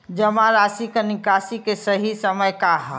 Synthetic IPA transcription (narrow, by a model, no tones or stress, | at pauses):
d͡ʒəmaɾaːsikənɪkaːsikesəɦisəməjkaɦa